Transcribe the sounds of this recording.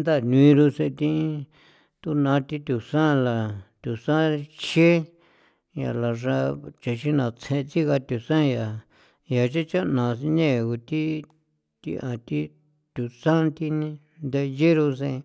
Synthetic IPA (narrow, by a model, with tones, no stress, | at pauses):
nd̪a˦˨n˧ĩ˧ɾu˧sẽ˧t̪ĩ˧˦ | t̪u˦nã˧t̪i˦t̪ʲu˨sã˦˧la˨t̪ʲu˨sã˦t͡ʃe˦ | ja̰˨la˨ʐa˧t͡ʃe˨ʃi˦nã˨t͡sʰẽ˧t͡s̪i˦ɣa˧t̪ʲu˨sã˦ja˨ | ja˨t͡ʃe˦t͡ʃa˦nã˨˧nẽ˦˨ɣu˧t̪i˦ | t̪ḭ˧ʔã˨t̪i˦ | t̪ʲu˨sã˦˧nt̪i˧nĩ˧ | nd̪e˧je˦ɾu˧sḛ̃˧